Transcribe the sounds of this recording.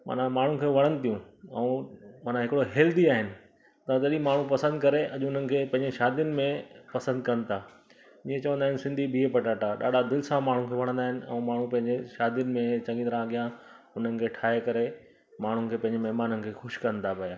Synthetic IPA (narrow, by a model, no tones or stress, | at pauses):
ma̰ːnãmaːɳ̤ũkʰeːʋɐɽ̃ənɪ̆t̪ijũɛ̃maːnãɦɪkɪɽoɦeːld̪iaːɦɪnɪ̆ | t̪ɐt̪ɐɗimaːɳ̤ũpɐsə̃nd̪̚kɐɾeʔɐʄʊn̤ənɪ̆kʰeːpɐ̃ɦɪ̃ɲd͡ʑeʃaːd̪ijənɪ̆mẽpɐsə̃nd̪̚kɐnɪ̆t̪ʰaː | iːẽt͡ɕɐʋə̃nd̪aːɦɪ̃nɪsɪ̃nd̪ʱibʱiepɐʈaːʈaɗa̰ːɖʱad̪ɪlsamaːɳ̤ũkʰeːʋɐɽ̃ə̃nd̪aːɦɪ̃nɪ̆ɛ̰̃ũːmaːɳ̤ũpɐ̃ɦɪ̃ɲd͡ʑeʃaːd̪ijənɪ̆mẽt͡ɕɐ̃ŋɡĩnɾãɠɪjã | ʊn̤ənɪ̆kʰeːʈʰaːekɐɾe | maːɳ̤ʊnɪ̆kʰeːpɐ̃ɦɪ̃ɲd͡ʑemɐɦmaːnənɪ̆kʰeːxʊʃkɐnɪ̆t̪ʰapɐjaː